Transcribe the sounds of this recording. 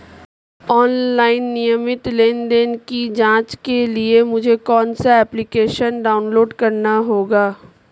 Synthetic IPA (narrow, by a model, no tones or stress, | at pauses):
ɔːnlaːɪnːijəmɪt̪leːnd̪eːnkid͡ʒãːt͡ʃkeliemʊd͡ʒʱekɔːnsaɛːplikeːʃənɖaːʊnloːɖkɐɾnaɦoːɡaː